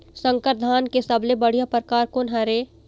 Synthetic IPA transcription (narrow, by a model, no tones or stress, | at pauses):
sə̃ŋkəɾd̪ʱaːnkesɐblebəɽ̤ijapɾkaːɾkonɦɐɾe